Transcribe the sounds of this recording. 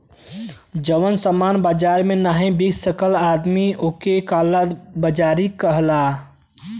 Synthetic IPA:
d͡ʒəʋənsəmaːnbaːd͡ʒaːɾmẽnaːɦẽbiɡsəkəlaːd̪mioːkekaːlabəd͡ʒaːɾikəɦlaː

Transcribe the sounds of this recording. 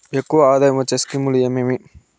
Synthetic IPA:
ekːuʋɐaːd̪aːjɐmɐt͡ʃːɐskimulijɐmemi

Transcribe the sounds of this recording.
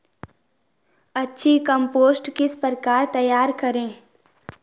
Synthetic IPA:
ɐtːʃʰikə̃mpoːsʈkɪspəɾkaːɾt̪ɐjaːɾkɐɾẽː

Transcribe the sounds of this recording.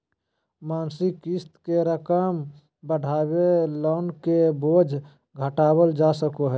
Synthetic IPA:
maːnsɪkɪst̪keɾəkəm | bəɽʱaːweloːnkeboːd͡ʒʱ | ɡʱəʈaːwəld͡ʒaːsəkoɦɛː

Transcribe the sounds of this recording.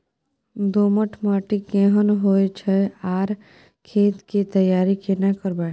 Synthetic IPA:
d̪oːməʈʰmaːʈikẽːɦənɦoːet͡ʃʰɛaːɾ | kʰeːt̪kit̪əjaːɾikenakəɾba

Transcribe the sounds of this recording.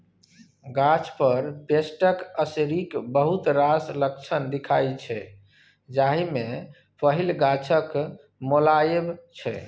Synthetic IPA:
ɡat͡ʃʰpəɾpesʈəkəsɾikbəɦut̪ɾasləkt͡ʃʰənd̪ikʰajt͡ʃʰɛ | d͡ʒaɦime | pəɦilɡat͡ʃʰək | molajebt͡ʃʰɛ̰

